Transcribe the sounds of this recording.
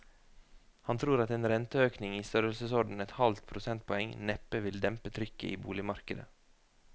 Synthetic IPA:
hɑnt̪ʰɾuːɾɑt̪eːnɾɛnt̪əøːknɪŋiːst̪œɾəlsəsɔɖn̩ɛt̪hɑlt̪pʰɾʊsɛnt̪̚pʰɔɛŋnɛpəʋɪld̪ɛmpət̪ʰɾʏkəʔiːbṵːlɪmɑɾkəd̪ə̰

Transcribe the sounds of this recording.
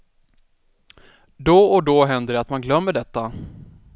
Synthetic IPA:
d̪ɔɔd̪ɔɦɛnd̪əɖɛat̪manɡlœmːəɖɛt̪ːa

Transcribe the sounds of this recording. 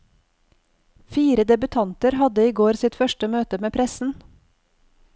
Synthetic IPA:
fiːɾəd̪ɛbʉt̪ʰɑnt̪əɾhɑd̪əiːɡoːɾsɪt̪fœʃʈəmøːt̪əmeːpʰɾɛsn̩

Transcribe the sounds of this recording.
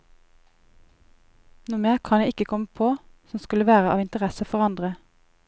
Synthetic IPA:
nuːmeːʁkʰɑnjæɪɪkəkʰɔməpʰoːsɔmskʉləʋæːʁəɑːʋɪnt̪əʁɛsəfɔʁɑnd̪ʁə

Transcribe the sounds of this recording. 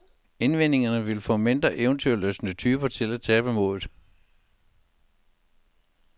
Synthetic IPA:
e̝nʋen̰e̝ŋɐnəʋe̝lfɔ̰̽ːme̝nd̥ʁɐʔeʊənt͡sʰyueløsənət͡sʰyːb̥ɐt͡sʰe̝læ̥t͡sʰɛːb̥əmo̝̰ːðð̩ˠ

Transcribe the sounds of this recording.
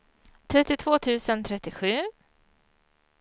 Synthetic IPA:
t̪ʰɾɛt̪ːɪt̪ʰvoːt̪ʰʉ̟ːsənt̪ʰɾɛt̪ːɪɧʉ̟ː

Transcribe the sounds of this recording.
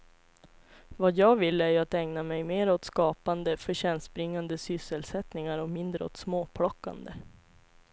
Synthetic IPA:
vajɑːɡvɪlːæɾjat̪ɛŋnamɛjmeːɾɔt̪skɑːpand̪əfœɕɛnst̪bɾɪŋːand̪əsʏsəlsɛt̪nɪŋaɾɔmɪnd̪ɾəɔ̰t̪smoːpʰɽɔkːa̰nd̪ə

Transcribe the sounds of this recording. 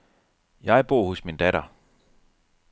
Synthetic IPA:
jɑ̈ɪb̥o̝ɐ̰hosmind̥æɾɐ

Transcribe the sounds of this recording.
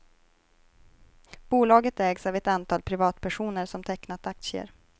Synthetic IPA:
b̥uːlɑːɡət̪ɛːɡsavɛt̪ant̪ʰɑːlpʰɾɪvɑːt̪pʰæʂuːnəɾʂɔmt̪ʰɛknat̪ak̚t̪sɪə̰ɾ

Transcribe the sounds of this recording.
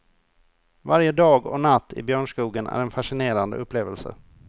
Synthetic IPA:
vaɾjəd̪ɑːɡɔ̰nat̪ʰːɪ̰bjœːɳʂkuːɡənæ̰ɾɛnfaʂɪneːɾand̪ə̰ɵpːleːvəlsə̰

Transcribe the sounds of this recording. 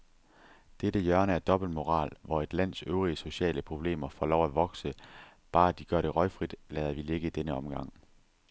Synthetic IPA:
d̥eɾ̥əjɶɐnəæɐd̥ɒ̽b̥l̩d̥mo̝ʁɑ̰̈ːlʋɒe̝d̥læn̰søʊʁiəso̝ɕɛ̰ːləpʰʁo̝b̥le̝̰ːmɐfɒ̰ːlɒʊæʋɒ̽ɡ̥sə | b̥ɑ̈ːæd̥iɡ̥ɶɐɾ̥e̝ʁɒ̽ɪfʁid̥lɛːðˠɐʋile̝ɡ̥əid̥enəɒ̽mɡ̥ɑ̈ŋ̰

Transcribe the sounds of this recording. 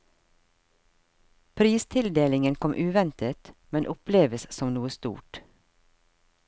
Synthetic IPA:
pʰɾiːst̪ʰɪld̪eːlɪŋənkʰɔmʔʉːʋɛnt̪ət̪mɛnʔʊpleːʋəssɔmnuːəst̪ṵːʈ

